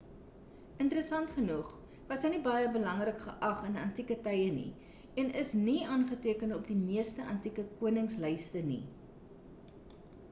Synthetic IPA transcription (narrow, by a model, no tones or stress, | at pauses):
əntəɾəsɐntχənuχ | vɐsəjnibɐjəbəlɐŋrəkχəʔɐχənɐntikətɛjənḭ | ɛnəsniɑːnχətiəkənɔpdimiəstəʔɐntikəkuənəŋslɛjstənḭ